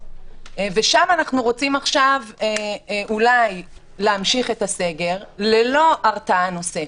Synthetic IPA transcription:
veʃamanaχnuʁo̞t͡simaχʃaveʔulaj | leamʃiχe̞t̪ase̞ɡe̞ʁlelo̞ʔaʁt͡saano̞se

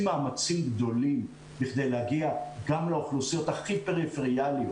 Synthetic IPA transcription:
maːmat͡simɡd̪o̞lim | biχd̪e̞jlehaɡiaɡamlaoχlusijo̞t̪aχipe̞ʁifeʁialjo

